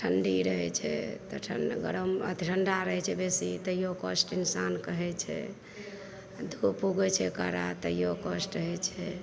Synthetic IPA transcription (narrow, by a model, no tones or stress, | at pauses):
ʈʰəɳɖiɾəɦɛt͡ʃʰɛ̰t̪ɔʈʰə̰nɡəɾəmət̪iɾʰʱəɳɖaɾəɦɛt͡ʃʰɛbesit̪əjokəsʈinsankəɦɛt͡ʃʰɛ̰ | d̪ʱupuɡɛt͡ʃʰɛkaɾa̰t̪əjokəsʈəɦɛt͡ʃʰɛ